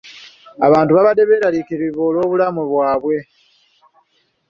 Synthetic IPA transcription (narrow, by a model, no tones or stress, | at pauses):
a̰βaːntuβaβade̞βe̞ːɾalikiɾiβoːlo̞ːβulamuβwaːβwe̞